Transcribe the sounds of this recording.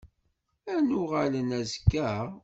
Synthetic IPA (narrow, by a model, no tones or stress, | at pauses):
ænʊʁalənæzkːæ